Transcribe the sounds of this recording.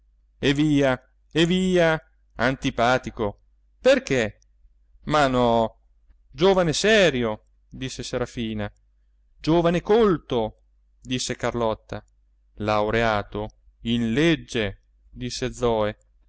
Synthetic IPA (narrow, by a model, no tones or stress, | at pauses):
eviːa | eviːa | ant̪ipaːt̪iko | perke | manɔ | d͡ʒoːvanesɛːɾjo | d̪isːeseɾafiːna | d͡ʒoːvanekolt̪o | d̪isːekarlɔt̪ːa | lawɾeaːt̪o | inled͡ʒːe | d̪isːed̪zːɔːe